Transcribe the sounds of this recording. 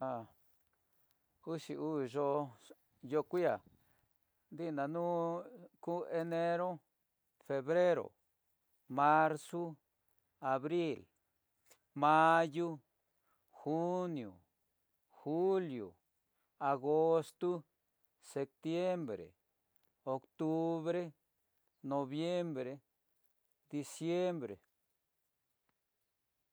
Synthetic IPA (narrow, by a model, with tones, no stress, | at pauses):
a˧ | u˦ʃi˨u˦˨ʒo˧ | jo˧kʷi˦a˨ | d̪i˦na˨nu˦ku˦e˧ne˧ɾo˦ | fe˧βɾe˦ɾo̰˨ | ma˧ɾsu˦ | a˨βɾi˦l | ma˦˧ju˦ | xu˦njo̰˨ | xu˦ljo̰˨ | a˨ɡo˦st̪u˦ | se˧p̚t̪je˦mbɾḛ˨ | o˨kt̪u˧βɾe˦ | no˧βje˦mbɾe˧ | d̪i˧sje˦mbɾḛ˨